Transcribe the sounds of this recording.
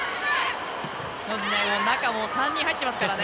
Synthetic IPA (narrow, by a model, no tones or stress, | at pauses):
nod͡ʑineonãkamoːsãɲ̟ːĩhait̪ːemasɨ̥kɾane